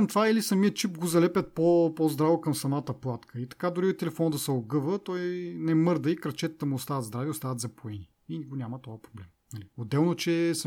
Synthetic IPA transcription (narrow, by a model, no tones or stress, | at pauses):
mt̪vailisɐmijət͡ʃipɡozɐlɛpʲət̪̚popozd̪ɾavokɐmsɐmat̪əplˠat̪kʰəit̪ɐ̥kad̪oɾiot̪ɛlɛfɔnəd̪əsəoɡɤvət̪ɔjnɛmɤɾd̪əikɾɐt͡ʃɛt̪ət̪ɐmuːst̪avɐt̪zd̪ɾaviost̪avɐt̪zɐpoɛni | iniɡonʲamət̪ɔəpɾoblɛmnɐliod̪ɛlˠnot͡ʃɛs